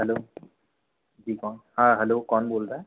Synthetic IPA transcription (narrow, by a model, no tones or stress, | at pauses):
ɦɛlo | zikɔnhãɦɛlokɔnbolza